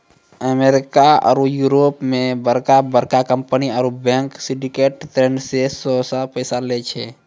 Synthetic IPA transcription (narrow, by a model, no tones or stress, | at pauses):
əmeɾɪkaɔ̰ːɾujuɾoːpmẽbəɾkabəɾkakəmpəniɔːɾubɛ̃ŋksɪ̃ɖikeːʈtɾẽːɳɖsesɔsapəɪsalet͡ʃʰɛ